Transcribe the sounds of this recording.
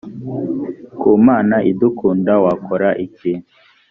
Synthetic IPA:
kumaːnaʔidukuːndawakoɾaʔici

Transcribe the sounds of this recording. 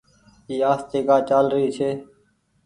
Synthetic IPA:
iːaːst̪eːkaːt͡ʃaːlɾəiːt͡ʃʰeː

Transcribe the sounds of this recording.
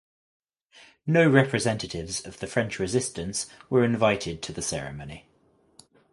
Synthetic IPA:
nəʊɹɛpʰɹɪzɛ̃ntətʰɪvzəvðəfɹɛ̃nt͡ʃɹɪzɪstə̃nswəɹɪ̃ɱvaɪtʰɪd̚tʰəðəsɛɹɪ̰məʊni

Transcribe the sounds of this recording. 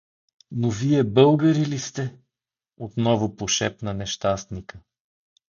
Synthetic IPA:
noviɛbɤlˠɡəɾilist̪ɛ | ot̪nɔvʊpoʃɛpnənɛʃt̪ast̪nikə

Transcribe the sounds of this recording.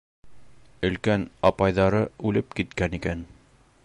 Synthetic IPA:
ɵ̆lkænɑpɑjðɑɾɤʉlɘpkit̪kænikæn

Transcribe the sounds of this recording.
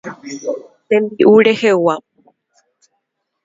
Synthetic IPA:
t̪ẽmbiʔuɾehewa

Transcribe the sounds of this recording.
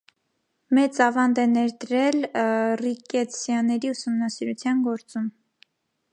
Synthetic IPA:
mɛt͡sɑvɑnd̪ɛnɛɾd̪ɾɛlrikɛt͡sʰjɑnɛɾiusumnɑsiɾut͡sʰjɑnɡɔɾt͡sum

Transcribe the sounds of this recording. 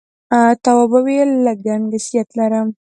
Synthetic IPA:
t̪awabawelːaɡanɡasijat̪laɾəm

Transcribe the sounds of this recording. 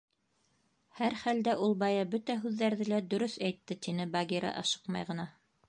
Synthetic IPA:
hæɾχæld̪æʔulˠbɑjɑbɵt̪æɦʉðːæɾðɘlæd̪ɵ̆ɾɵsæjt̪ːɘt̪inɘbɑɡʲiɾɑ̰ʔɑʃɤ̥qmɑ̰jʁɤ̆nɑ

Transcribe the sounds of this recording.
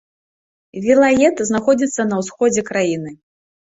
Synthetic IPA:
vʲilˠajɛt̪znaxɔd͡zʲit̪sːɐnɐwsxɔd͡zʲɛkɾajinɨ

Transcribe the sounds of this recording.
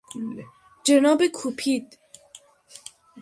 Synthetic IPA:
d͡ʒenɒːbekʰupʰid̪̥

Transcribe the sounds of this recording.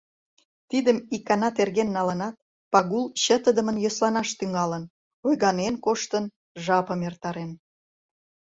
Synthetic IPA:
t̪id̪əmikɑnɑt̪erɣenːɑlənɑt̪̚ | pɑɣulɕət̪əd̪əmənjoslɑnɑʃt̪yŋɑlən | ojɣɑnenkoʃt̪ən | ʒɑpəmert̪ɑɾen

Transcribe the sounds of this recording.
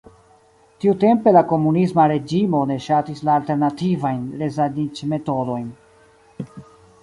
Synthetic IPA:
tiute̞mpe̞lako̞munismaɾe̞d͡ʒimo̞ne̞ʃatislaːlte̞ɾnativajnɾe̞zanit͡ʃme̞to̞do̞jn

